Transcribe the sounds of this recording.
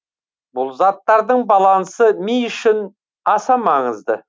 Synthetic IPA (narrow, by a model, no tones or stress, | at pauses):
bʊlˠzɑt̪ːɑɾd̪əɴbɑlˠɑnsəmijʏʃɪn | ɑsɑmɑɴəzd̪ə̰